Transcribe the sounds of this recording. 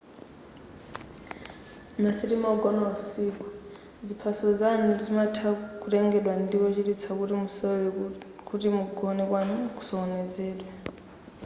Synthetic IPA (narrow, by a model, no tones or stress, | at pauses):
masiɾimaɔɡɔnawasiku | d͡zipʰasɔd͡zanud͡zimatʰakuɾɛŋɡɛɗwandipɔt͡ʃitit͡sʰakutimusɔwɛ | kutimuɡʱɔnɛkwanku̥sɔːnɛd͡zɛːɗwɛ